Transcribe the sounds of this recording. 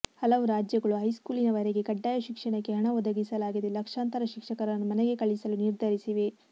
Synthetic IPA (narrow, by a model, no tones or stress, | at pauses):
hɐlɐʋuɾaːd͡ʒjɐɡɐɭuɦɐjskuːlinɐʋɐɾeɡe̞kɐɖːaːjɐʃikʂɐɳɐkːeɦɐɳɐʋɔd̪ɐɡisɐlaːɡid̪elɐkʂaːnt̪ɐɾɐʃikʂɐkɐɾɐnːumɐneɡe̞kɐɭisɐluniɾd̪ʱɐɾisiʋe̞